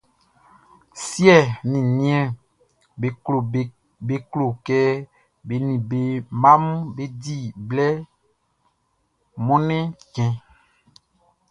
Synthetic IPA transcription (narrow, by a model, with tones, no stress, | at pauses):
sjɛ˦˨nĩ˨nĩ˦ɛ̃˦˨ | lo˨ | be˨klo˨kɛ˦ | be˨nĩ˨be˨mã˦mũ˦be˦di˦˨blɛ˦ | mɔ̃˦nɛ̃˦kɛ̃˨